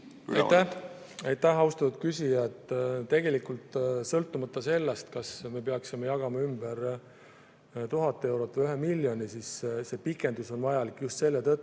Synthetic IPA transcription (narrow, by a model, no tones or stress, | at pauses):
ɑjt̪ːæ | ɑjt̪ːæhɑwst̪ɑt̪ud̪̥̚kysʲijɑt̪ːˑt̪e̞ɡe̞likːˑult̪sɤlt̪ːˑumɑt̪ːˑɑse̞lːest̪kɑsme̞peɑksimejɑɡ̥ɑmɑymb̥eɾ | t̪uɦɑt̪ˑːee̞wɾo̞t̪ːˑvjyɦemilʲːjonisisse̞pikːˑe̞nd̪uso̞nvɑjɑlikːˑjust̪se̞lːet̪ɤt̪ˑː